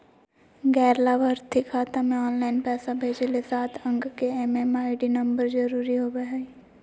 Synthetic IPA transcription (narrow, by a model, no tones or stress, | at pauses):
ɡɛːɾlabəɾt̪ʰikʰːaːt̪amẽɔːnlaːɪnpɛːsabʱeːd͡ʒelesaːt̪ʰə̃ŋɡkeɛmemaːɪɖinɐ̃mbəɾd͡ʒɐɾuːɾiɦobeɦai